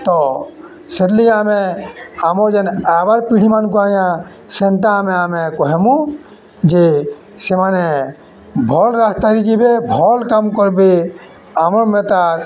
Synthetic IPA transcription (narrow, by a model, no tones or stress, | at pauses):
t̪ɔ | sed̪lijameamɔɾd͡ʒɛnabaɾpiɽ̤imankɔajã | sent̪aːmeamekɔɦɛmũ | d͡ʒe | semane | bʱɔlɾast̪aɾid͡ʒibebʱɔlkamkɔɾbe | amɔɾmet̪aɾ